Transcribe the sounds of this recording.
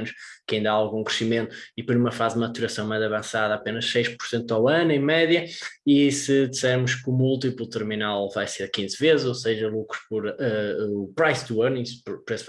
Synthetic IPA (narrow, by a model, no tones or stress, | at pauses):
nuʃkɐĩnd̪ɐaalˠɣũkɾɨʃimẽnt̪uipoɾumɐfazðmɐt̪uɾɐsɐ̃w̃majzɐβɐ̃saðapenɐʃsejʃpu̥ɾsẽnt̪uawɐnẽj̃mɛðjɐisɨðisɛɾmʊʃkumulˠt̪̬iplˠut̪ɨɾminalˠvajseɾkĩzvezzoseʒɐlˠukɾu̥ʃpɔɾɛupɾajzd̪uɐnispɾpɾes